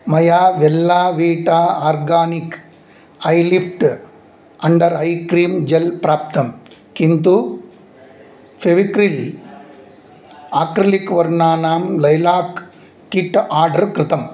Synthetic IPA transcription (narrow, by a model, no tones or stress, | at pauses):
mɐjaːʋɛlːaːʋiːʈaːaːɾɡaːnik | ɐjlifʈ | ɐɳɖɐɾɐjkɾiːmd͡ʒɛlpɾaːp̚t̪ɐm | kint̪u | feʋikɾil | aːkɾɐlikʋɐɾɳaːnaːmlɐjlaːkː | iʈːaːɾɖɐɾkɾɪt̪ɐm